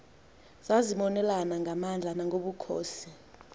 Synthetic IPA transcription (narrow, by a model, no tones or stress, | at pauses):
z̥aziɓɔnɛlanaŋʱamand͡ɮʱanaŋʱoɓukʰo̰ːsi